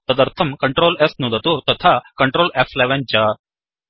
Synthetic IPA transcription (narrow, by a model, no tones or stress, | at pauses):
ɐd̪ɐɾt̪ʰɐmkɐɳʈɾoːlesnud̪ɐt̪ut̪ɐt̪ʰaːkɐɳʈɾoːlefleʋɐnd͡ʒɐː